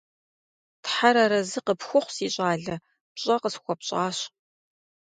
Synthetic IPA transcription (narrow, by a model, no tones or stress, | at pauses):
tħaɾɐɾɐzɨqəpxʷʊχʷsiːɕʼaːɮɐ | pɕʼɐqəsxʷɔpɕʼaːɕ